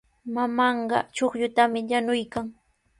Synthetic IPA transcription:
mamɑɴɢɑ̰t͡ʃoχʎʊt̪amɪʎanʊjkaŋ

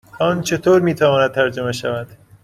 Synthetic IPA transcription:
ʔɒːnt͡ʃʰe̞t̪ʰoːɾmiːt̪ʰævɒːnæd̪̚t̪ʰæɾd͡ʒo̞meʃævæd̪̥

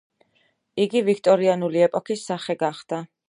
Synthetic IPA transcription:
iɡivikʰt̪ʼɔɾianuliɛpʼɔkʰisːaχɛɡaχd̪̥a

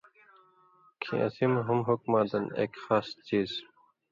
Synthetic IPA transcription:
kʰḭ̃ʔɐ̰simɦumɦukmaːd̪ɐnḛkxaːst͡ɕiːz

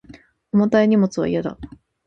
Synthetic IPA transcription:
omot̪aeɲ̟imo̞t͡sɨβa̰ḭjad̪a̰

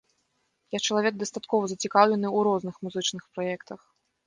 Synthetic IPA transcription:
jakt͡ʃɐlˠavʲɛɡ̚d̪ɐst̪at̪kɔvɐzɐt͡sʲikawlʲɛnɨuɾɔznɨxmuzɨt͡ʂnɨxpɾajɛkt̪ɐx

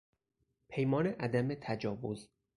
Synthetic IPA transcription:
pʰe̞jmɒːneʔæd̪æmet̪ʰæd͡ʒɒːvoz

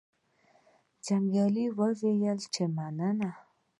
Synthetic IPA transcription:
d͡ʒaŋɡalivavejaliʈ͡ʂemanana

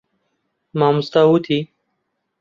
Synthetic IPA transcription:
maːmʊst̪aut̪ʰiː

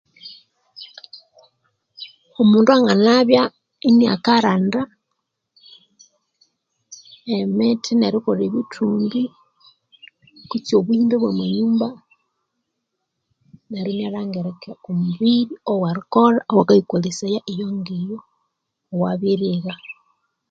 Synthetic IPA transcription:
omuːnduaŋɡanaβja | inia̰kaɾanda | emetʰineɾikoɾeβitʰuːmbi | kut͡sioβuiːndeβwemweɲuːmba | neɾiɲaɾaŋɡeɾekeomuβiɾiowaɾikoɾaʔowakaikolisajaʔejoŋɡejoː | waβiɾiɣa

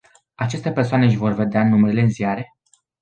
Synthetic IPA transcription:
at͡ʃe̞st̪e̞persoaneɨʃ̬vo̞rve̞d̪eanumeɾile̞ɨnziaɾe̞

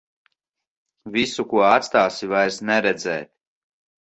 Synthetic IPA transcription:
visukuɔat̪st̪aːsivajɾsnɛɾɛd̪zɛ̰ːt̪̚

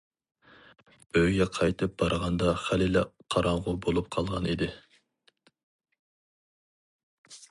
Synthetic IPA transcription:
øjɡʲɛqʰɑjt̪ʰɨp̚b̥ɑɾʁɑnd̪ɑχælilɛqʰɑɾɑɴʁʊbolˠup̚qʰɑlˠʁɑnid̪ɪ

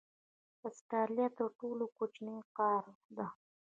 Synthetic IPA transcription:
əsʈaljat̪əɾʈolokot͡ʃneqɑɾd̪a

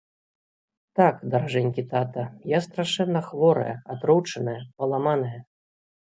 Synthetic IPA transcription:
t̪akd̪ɐɾaʐɛnʲkʲit̪at̪ɐjast̪ɾaʂɛnːɐxvɔɾɐ̰jɐ̰at̪ɾɔwt͡ʂɐnɐjɐpɐlˠamanɐjɐ

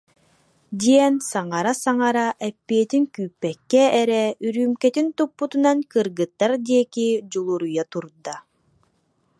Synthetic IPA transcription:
d̪iɛnsaŋaɾasaŋaɾaʔɛpːiɛt̪iŋkyːpːɛkːɛːɾɛyɾyːmkɛt̪int̪upːut̪unankɯɾɡɯt̪ːaɾd̪iɛkid͡ʑulˠuɾujat̪uɾd̪a

